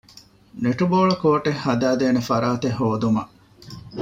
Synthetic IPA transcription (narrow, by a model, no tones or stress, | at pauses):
neʈuboːɭɐkoːʈehːɐd̪æːd̪eːnefɐɾaːt̪eɦoːd̪umɐʔ